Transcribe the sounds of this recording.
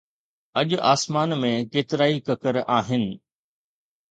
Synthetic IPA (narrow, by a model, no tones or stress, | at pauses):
ɐʄaːsmaːnmẽkeːt̪ɪɾaːikɐkəɾaːɦɪnɪ̆